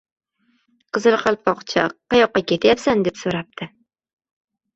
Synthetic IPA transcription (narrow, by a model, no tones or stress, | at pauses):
qʰɨzɨlˠqʰɑlˠpɒqt͡ʃʰaqʰːɑjɒqːɑkʲʰe̞t̪ʰjapsand̪e̞psoɾap̚t̪ʰɪ